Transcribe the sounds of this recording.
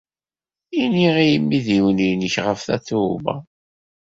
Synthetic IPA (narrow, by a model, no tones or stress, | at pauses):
iniʁijəmːiðiwəninəçʁəfθæθumæ̰